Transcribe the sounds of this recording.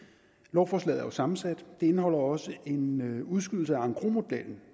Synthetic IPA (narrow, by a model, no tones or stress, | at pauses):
lɒʊfɒːslɛ̰ð̩ˠɐosɑ̈mn̩sæd̥d̥e̝e̝nəhɒ̽l̰ɐɒ̽səʔe̝nuð̞ˠsɡ̥yð̰ˠl̩səæɑ̈ŋɡ̥ʁomo̝d̥el̰n̩